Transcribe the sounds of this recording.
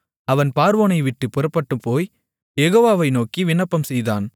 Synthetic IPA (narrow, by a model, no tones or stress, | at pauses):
ɐʋɐnpaːɾʋoːnɐɪʋɪʈːɯpːʊɾɐpːɐʈːɯmpoːj | jɛɣoːʋaːʋɐɪnoːkiʋɪnɐpːɐmsɛjða̰ːn